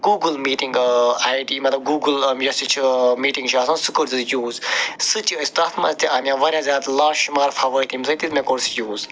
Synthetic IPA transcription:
ɡuːɡɨlmiːʈĩŋɡaːjʈiːmɐt̪lɐb̚ɡuːɡɨljɐsit͡ʃʰimiːʈĩŋɡʃʰaːsɐ̃ːsɨkɨɾzɨjuːzsɨt͡ʃjuist̪afʰmɐ̰zt̪iʔɐmʲjãːʋɐɾʲãzʲaːt̪lãːʃumaːɾfɐʋəɾt̪imzɐt̪izmekoɽsjuːz

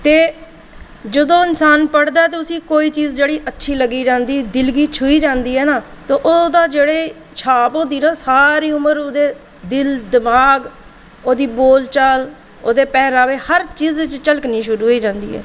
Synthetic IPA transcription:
t̪eː | d͡ʒəd̪õːɪnsaːnpəɽd̪aːɛt̪̬eːʊsĩːkoːiːt͡ʃiːzd͡ʒeːɽiːʔətːʃʰiːləɡiːd͡ʒãːnd̪iːd̪ɪlɡiːt͡ʃʰʊiːd͡ʒãːnd̪iːɦɛːnaː | t̪oːʔoːd̪aːd͡ʒeːɽeː | t͡ʃʰaːpõːd̪iːnaːsaːɾiːʊməɾoːd̪eː | d̪ɪld̪ɪmaːɡ | oːd̪iːboːlt͡ʃal | oːd̪eːpɛːɾaːʋeːhəɾt͡ʃiːzt͡ʃt͡ʃəlkniːʃʊɾuːiːd͡ʒãːnd̪ḭːɦɛ̰ː

